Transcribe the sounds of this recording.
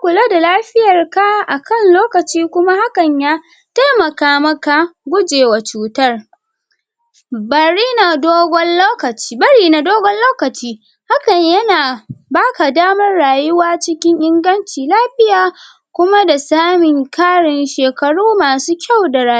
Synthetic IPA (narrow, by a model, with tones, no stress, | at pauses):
kʷʊ˨la˦da˨laː˦ɸɪ˦jɐ˨rka˦ʔa˨kɐ˦˨nloː˦kɐ˨t͡ʃiː˦kʷʊ˦ma˦ha˦kɐ˨ɲjaː˦ | ta˦jmɐ˨kaː˦mɐ˦ka˨ɡʷʊ˦d͡ʒeː˨wa˨t͡ʃuː˨˦tɐ˦r | bɐ˨ɽiː˦na˨doː˦ɡʷɔ˦nloː˦kɐ˨t͡ʃːbɐ˦ɾiː˦na˨doː˦ɡʷɔ˦nloː˦kɐ˨t͡ʃiː˦ | ha˦kɐ˨ɲjɐ˦naː˨baː˦ka˨daː˦mɐ˦rɽaː˨jʊ˦waː˦t͡ʃɪ˦kʲɪ˦ɲʔɪ˦ŋɡɐ˦nt͡ʃiː˨laː˦ɸɪ˦jaː˨ | kʷʊ˦ma˦da˨saː˦mɪ˨ŋkaː˦ɽɪ˨nʃeː˨kɐ˨ɽuː˦maː˨suː˦kʲa˦˨wda˨ɾaː˨j